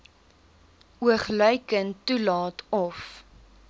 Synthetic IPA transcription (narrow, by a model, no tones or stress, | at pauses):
uəχlœjkəntːulɑːtɔf